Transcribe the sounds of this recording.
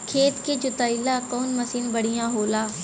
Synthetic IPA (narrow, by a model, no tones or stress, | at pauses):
kʰeːt̪ked͡ʒʊt̪aːɪlakɔːnmɐsiːnbɐɽ̤ijãɦoːlaː